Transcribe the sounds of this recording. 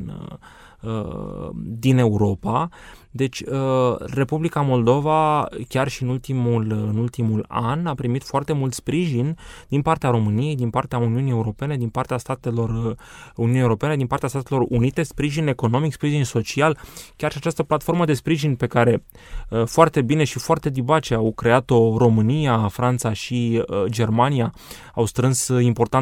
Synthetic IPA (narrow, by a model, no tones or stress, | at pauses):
ə̰ | d̪ine̞uɾo̞pa | d̪e̞t͡ʃʲəre̞publikamo̞ld̪o̞vakʲarʃiɨnult̪imulɨnult̪imula̰napɾimit̪foart̪e̞mult̪spɾiʒind̪̥inpart̪eaɾo̞mɨnije̞jd̪inpart̪eauniunije̞uɾo̞pe̞ne̞d̪inpart̪east̪at̪e̞lo̞runiunjewuɾo̞pe̞ne̞d̪inpart̪east̪at̪e̞lo̞runit̪e̞spɾiʒine̞ko̞no̞mikspɾiʒinso̞t͡ʃialkʲarʃiat͡ʃast̪əplat̪fo̞rməd̪e̞spɾiʒinpe̞kaɾe̞ | foart̪e̞bine̞ʃifoart̪e̞d̪ibat͡ʃeawkɾe̞at̪o̞ɾo̞mɨnijafɾant̪saʃid͡ʒe̞rmania | awst̪ɾɨnsimpo̞rt̪a